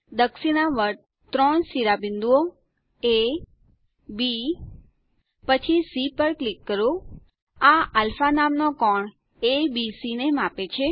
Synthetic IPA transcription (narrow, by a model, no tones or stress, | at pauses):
d̪əksinaʋəɾ | t̪ɾɔɳsiɾabɪnd̪uo | e | bi | pət͡ʃʰisipəɾklikːəɾo | aalfanamnokɔɳ | ebisinemapet͡ʃʰe